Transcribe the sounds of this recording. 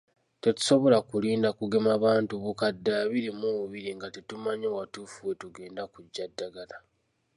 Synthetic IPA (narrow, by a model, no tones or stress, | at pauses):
te̞tu̥so̞βo̞lakuliːndakuɡe̞maβaːntuβukadːaβiɾimuβuβiɾiŋɡatetumaɲowatuːfuwe̞tuɡe̞ːndakuɟːadːaɡala